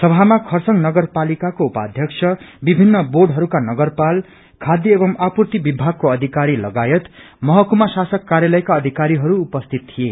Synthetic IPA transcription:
sʌbʱamakʰʌrsʌŋnʌɡʌrpalikakoupa̰d̪ʱjʌksʰʌbibʱinːʌboɖɦʌɾukanʌɡʌrpal | kʰad̪jʌebʌmapurt̪ibibʱaɡ̚koʌd̪ʱikaɾilʌɡajʌt̪ | mʌɦʌkumasasʌkːaɾjalʌjkaʌd̪ʱikaɾiɦʌɾuːpʌst̪ʰit̪̚t̪ʰije

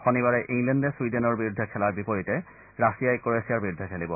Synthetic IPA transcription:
xɔnibaɹɛʔiŋlɛndɛswidenɔɹbiɹud̪ʱːɛkʰɛlaɹbipoɹitɛ | ɹasijajkoɹesiaɹbiɹud̪ʱːɛkʰɛlibɔ

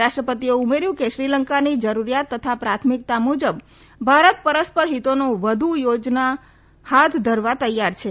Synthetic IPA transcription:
aʃʈɾəpət̪ieumeɾjũkeʃɾiləŋkanid͡ʒəɾuɾijat̪ːət̪ʰapɾat̪ʰmik̚t̪amud͡ʒəb | bʱaɾət̪̚pəɾəspəɾɦit̪onoʋəd̪ʱujod͡ʒna | hat̪ʰd̪ʱəɾʋat̪əjaɾt͡ʃʰe

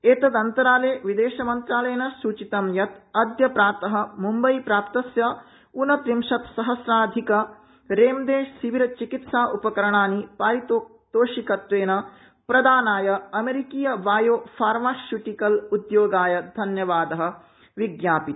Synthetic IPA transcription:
eːt̪ɐd̪ɐnt̪ɐɾaːleːʋid̪eːʃɐmɐnt̪ɾaːlɐjɐnɐsuːt͡ʃit̪ɐmjɐt̪ɐd̪ʱjɐpɾaːɾt̪ɐɦɐ̆mumbɐjpɾaːpt̪ɐsjɐ | unɐt̪ɾimʂɐt̪sɐɦɐsɾaːd̪ʱikɐ | ɾeːmd̪eːʃsiʋiɾɐt͡ʃikit̪saːʔupɐkɐɾɐɳaːnipaːɾit̪o | t̪oːʃikɐt̪ʋeːnɐ | pɾɐd̪aːnaːjɐɐmeɾikiːjɐʋaːjoːpʰaːɾmaːsjuʈikɐlud̪joːɡaːjɐd̪ʱɐnjɐʋaːd̪ɐɦɐ̆ | ʋiɡjaːpit̪

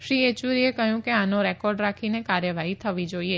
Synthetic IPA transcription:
ʃɾiet͡ʃuɾiekəɦjũkeanoɾɛkɔɾɖɾakʰinekaɾjəʋaɦit̪ʰəʋid͡ʒoie

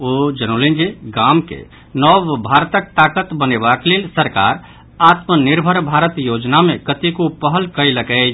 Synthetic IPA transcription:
od͡ʒənolind͡ʒeɡamkḛ | nɔbbʱaɾt̪ək̚t̪akət̪bənebaklelsəɾka̰ɾ | at̪məniɾbʱəɾbʱaɾət̪jod͡ʒnamẽkət̪ikopəɦəlkəjləkɛ

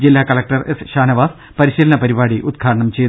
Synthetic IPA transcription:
d͡ʑilːaːkɐlɐk̚ʈɐrʔesɕaːnɐʋaːs | pɐɾiɕilɐnɐpɐɾibaːɽiʔud̪kʰaːʈɐɳɐmt͡ɕejt̪

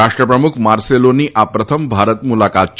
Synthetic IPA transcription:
aʂʈɾəpɾəmukʰmaɾseloniʔapɾət̪ʰəmbʱaɾət̪mulakat̪̚t͡ʃ

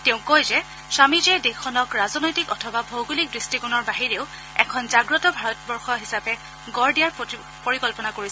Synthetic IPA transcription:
teʊ̃kɔjzɛ | samid͡ʒɛdexʰɔnɔkɹazɔnɔjtikɔtʰɔbabʱowɡulik̚dɹistikɔnɔɹbaɦiɹeʊ | ɛ̰kʰɔnzaɡɹɔtɔbʱaɹɔt̚bɔɹxɔɦisapɛ | ɡɔɹdijaɹ | poɹikɔlpɔnakoɹisɛ

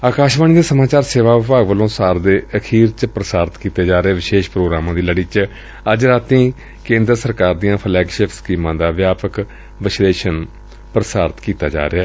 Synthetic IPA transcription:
aːkaːʃʋaːniːd̪eːsəmaːt͡ʃaːɾseːʋaːʋɪpaːɡʋəlõːsaːɾd̪eːəkʰiːɾt͡ʃpɾəsaːɾt̪kiːt̪eːd͡ʒaːɾeeːʋɪʃeːʃpɾoːɡɾaːmãːd̪iːləɽiːt͡ʃ | əd͡ʒɾaːt̪ĩː | kẽːnd̪ɾəsəɾkaːɾd̪ijãːpʰəlɛːkʃeːfʰskiːmãːd̪aːʋjaːpək | ʋɪʃleːʃən | pɾəsaːɾt̪kiːt̪a̰ːd͡ʒa̰ːɾeaː

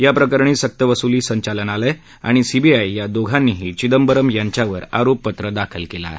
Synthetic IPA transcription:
japɾəkəɾɳ̃iːsək̚t̪əʋəsuliːsəɲt͡ɕalənalɛ | a̰ɽ̃isibiajjad̪oɡʱanːiːɦiːt͡ɕid̪əmbəɾəmjaɲt͡ɕjaʋəɾa̰ɾopːət̪ɾəd̪akʰəlkela̰ɦe

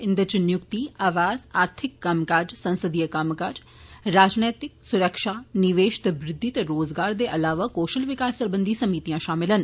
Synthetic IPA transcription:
ɪ̃nd̪ət͡ʃnjʊkt̪iaːʋaːzaːɾt̪ʰɪkːamkaːd͡ʒsɐ̃nsəd̪ijəkamkaːd͡ʒ | ɾaːd͡ʒneːt̪ɪksʊɾəkʃaːnɪʋeːʃɪ̥t̪bɾɪd̪ʱːit̪eɾoːzɡaːɾd̪eʔɐlaːʋakoːʃəlʋɪkaːsəɾbə̃nd̪ʱisɐmiːt̪ijãʃaːmɪlən

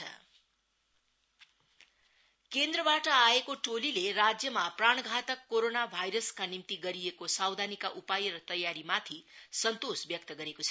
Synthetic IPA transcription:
ʌ̰ | kend̪rʌbaʈʌaekoʈolileɾad͡zjʌmapraɳ̃ɡʱat̪ʌkːoɾonabʱajɾʌskanimt̪iɡʌɾijekosawd̪ʱanikaʔupajɾʌt̪ʌjaɾimat̪ʰisʌnt̪osbjʌk̚t̪ʌɡʌɾekot͡sʰʌ

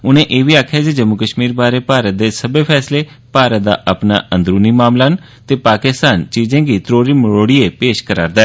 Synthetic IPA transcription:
ʊnẽːʔeːʋiːaːkʰaːd͡ʒed͡ʒəmːʊkəʃmiːɾbaːɾeːpaːɾət̪̚d̪eːsəbeːpʰɛːsleː | paːɾət̪̚d̪a̰ːʔəpna̰ːʔə̃nd̪ɾuːniːmaːmlaːn | t̪eːpaːkɪst̪aːnt͡ʃiːzẽːɡiːt̪ɾoːɾiːmɪɽoːɽiːeːpeːʃkəɾa̰ːɾd̪aɛː

